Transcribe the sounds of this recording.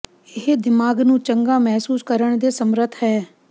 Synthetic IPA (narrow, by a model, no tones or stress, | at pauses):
ɪɦd̪ɪmaːɡnũːt͡ʃəŋɡaːmɛɦsuːskəɾəɳ̃d̪eːsəmɾət̪ʰɦɛː